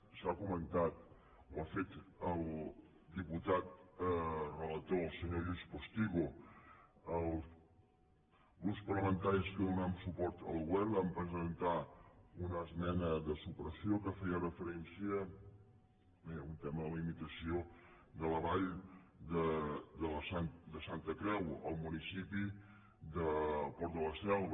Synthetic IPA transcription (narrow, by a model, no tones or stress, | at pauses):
sakumənt̪at̪ | wafet̪əlˠ | d̪iput̪at̪ | rələt̪osəɲoʒuspust̪iɣu | əlˠ | ɣɾupspərləmənt̪aɾiskənunamsupɔɾt̪ə̰lˠɣwɛβəmpɾəzənt̪aunəːzmɛnəðəsupɾəsiokəfɛjərəfəɾɛnsiə | meunt̪ɛməðəlimit̪əsio | ðələβaʎd̪əd̪ələsand̪əsant̪əkɾɛwə̰lˠmunisipi | ðəpɔɾt̪ələsɛl